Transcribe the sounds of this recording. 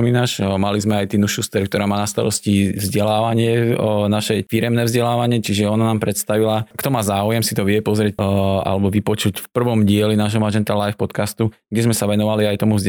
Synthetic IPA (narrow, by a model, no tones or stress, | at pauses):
ɔmiːnaːʃmalizmɛajt̪inuʃust̪ɛɾkt̪ɔɾaːmaːnast̪a̰ɾɔscivzɟɛlaːʋaɲɪɛnaʃɛfiɾɛmnɛːvzɟɛlaːʋaɲɪɛt͡ʃiʒɛɔnanaːmpɾɛt̪st̪aʋilakt̪ɔmaːzaːujɛmsit̪ɔʋɪɛpɔzɾɪɛca̰lɛbɔʋipɔt͡ʃucfpr̩ʋɔmɟɪɛlinaːʒɦɔmaʒɛnt̪alajfpɔt̪kast̪uɡɟɛzmɛsaʋɛnɔʋaliajt̪ɔmuvz